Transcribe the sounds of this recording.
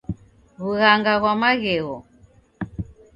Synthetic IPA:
ɣuɣaŋɡaɣwamaɣɛɣɔ̰

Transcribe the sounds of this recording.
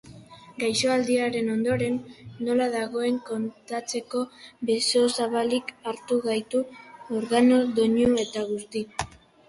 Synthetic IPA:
ɡajso̞ald̪iaɾe̞no̞nd̪o̞ɾe̞nːo̞laðaɣo̞e̞ŋko̞nt̪at͡se̞ko̞beso̞saβalikaɾt̪uɣajt̪uoɾɣano̞ðoɲue̞t̪aɣ̞ust̪i

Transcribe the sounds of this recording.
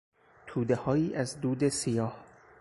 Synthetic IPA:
t̪ʰuːd̪e̞hɒːjiːʔæzd̪uːd̪esijɒːh

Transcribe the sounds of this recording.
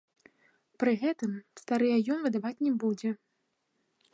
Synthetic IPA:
pɾɨɣɛt̪ɨmst̪aɾɨjɐjɔnvɨd̪avat͡sʲnʲɛbud͡zʲɛ

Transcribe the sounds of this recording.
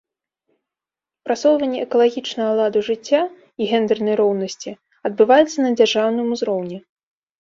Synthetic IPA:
pɾasɔwvɐnʲːɛʔɛkɐlˠaɣʲit͡ʂnɐɣɐlˠad̪ɐʐɨt͡sʲːa | iɣʲɛnd̪ɛrnɐjɾɔwnɐsʲt͡sʲi | ɐd̪bɨvajɛt̪sːɐnɐd͡zʲarʐawnɨmuzɾɔwnʲɛ

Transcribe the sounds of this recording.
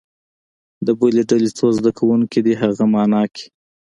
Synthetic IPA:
d̪əboleɖalet͡sozd̪akawuŋkid̪iɦaɣamɑnɑkʰi̥

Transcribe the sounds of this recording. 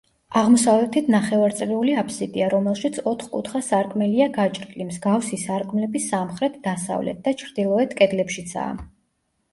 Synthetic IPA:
aʁmɔsavlɛt̪ʰit̪ʰnaχɛvaɾt̪sʼɾɛuliapʰsid̪ʼiaɾɔmɛlˠʃit̪sʰɔt̪ʰχkʼṵt̪ʰχasaɾkʼmɛliaɡat͡ʃʼɾlimzɡafsisaɾkʼmlɛbisamχɾɛt̪ʰd̪asa̰vlɛ̰t̪̚d̪̥at͡ʃʰɾd̪ilˠɔɛt̪ʰkʼɛd̪lɛpʃit̪sʰa̰ː

